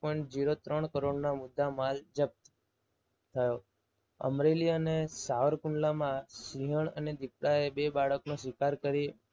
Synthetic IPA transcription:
pɔĩɳʈ̚d͡ʒiɾot̪ɾəɳkəɾoɽnamʊd̪ːamald͡ʒəp̚t̪ | t̪ʰəjo | ə̰mɾeliənesaʋəɾkʊɳɖlamãsiɦəɳ̃ə̰ned̪ipɽaebebaɭəknũsʋikaɾkəɾi

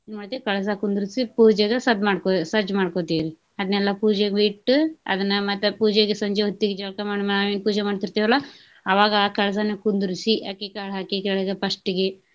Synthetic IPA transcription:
nmaɽt̪ikɐɭɐs̬ɐkund̪uɾusipuːd͡ʒeɡesɐd̪maːɽkosɐd͡ʒmaːɽkoːt̪iɾi | ɐd̪ɐnɛlːɐpuːd͡ʒeɡʋiʈːuɐ̰d̪ɐnːɐmɐt̪ːɐpuːd͡ʒeɡesɐɲd͡ʒeɦot̪ːiɡed͡ʒɐlkɐmaːɽmnaːʋenpuːd͡ʒemaːɖt̪iɾt̪iːʋɐlːɐ | ɐʋaːɡɐkɐɭɐs̬anekund̪uɾisia̰ːkikaːɽɦaːkikɛɭɐɡepɐʂʈiɡe

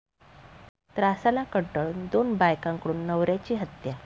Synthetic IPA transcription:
t̪ɾasalakəɳʈəɭund̪onbajkãŋkəɽuːnːəʋɾjat͡ɕiːɦət̪ja

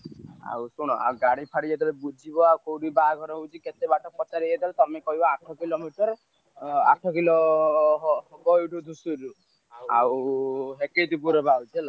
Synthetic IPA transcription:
a̰wsuɽ̃ɔʔa̰wɡaɽ̃ipʰaɽied̪ɔlebud͡ʒʱibɔawkowɾibaɡʱɔɾɔɦud͡ʒiket̪ebaʈʰɔk̚pɔt̪aɾied̪ɔlt̪ɔmekɔɦibɔaʈʰɔkilomiʈɔɾ | a̰ʈʰɔkiloɦɡɔjuɾud̪ʱusuɾu | a̰wɦeked̪ubuɾɔbawd͡ʒel

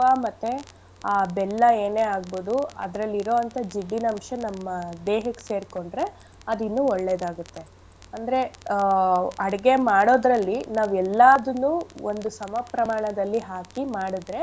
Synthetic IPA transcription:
aːmɐt̪ːe̞ | aːbɛlːɐe̞ːneːaːɡboːd̪uɐ̰d̪ɾɐlːiɾo̞ːɐnt̪ɐd͡ʒiɖːinɐmʂɐnɐmːɐd̪eːɦɐkːse̞ːɾko̞ɳɖɾe̞ | ɐd̪inːuːɔɭːeːd̪aːɡut̪ːe̞ | ɐnd̪ɐɾe̞ | ɐɽɡe̞maːɽo̞ːd̪ɾɐlːinaːʋɛlːad̪unːuːond̪usɐmɐpɾɐmaːɳɐd̪ɐlːiɦaːkimaːɽid̪ɾe̞

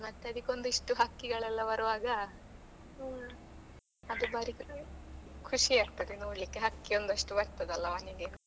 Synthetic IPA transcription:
mɐt̪ːeɐd̪ikʲːeo̞nd̪uiʂʈuɦɐkːiɡɐɭɛlːɐʋɐɾuʋaːɡɐ | ɐd̪ubaɾik | kʰuʂiaːɡ̚t̪ɐd̪enoːɽlikːeɦɐkːio̞nd̪uɐʂʈuʋɐɾt̪ɐd̪ɐlːɐʋɐnid̪i

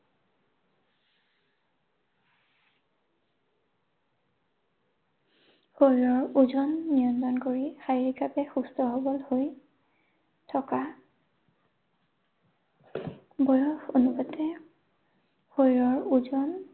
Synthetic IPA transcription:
hojɹɔɹuzɔnːijɔntɔnkoɹixaɹiɡapɛxustɔɦobɔlhoj | tʰɔka | bɔjɔxonubatɛ | hojɹɔɹuzɔn

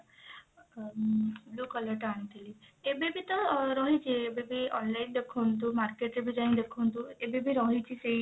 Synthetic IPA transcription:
blukələʈaɽ̃it̪iliebebʱit̪ɔɾɔɦit͡ʃʰeːbebʱiɔ̰nlaind̪ekʰont̪̬umaɾkeʈɾebʱid͡ʒaj̃nd̪ekʰont̪uebebʱiɾɔɦit͡ʃise

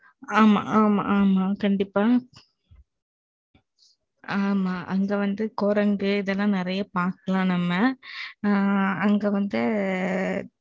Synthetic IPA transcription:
aːma̰ːma̰ʔaːmaːkɐɳɖɪpːaː | aːmaːʔɐŋɡeʋɐnd̪ɯkɔɾɐŋɡɯɪðɛlːãːnɪɾɐjɐpaːɾkɐlãːnɐmːɐ | ɐŋɡeːʋɐnd̪ɯ

